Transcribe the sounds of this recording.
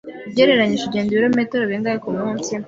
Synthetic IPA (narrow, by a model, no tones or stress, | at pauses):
bɟeɾeɾaɲiʒiɟeːnzuɾametoɾoβeːŋɡakomuumtim